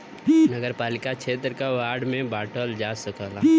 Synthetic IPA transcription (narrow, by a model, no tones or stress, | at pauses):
nəɡəɾpaːlɪkat͡ʃʰeːt̪̬ɾəkaʋaːɾɖmẽbaːʈəld͡ʒasəkəla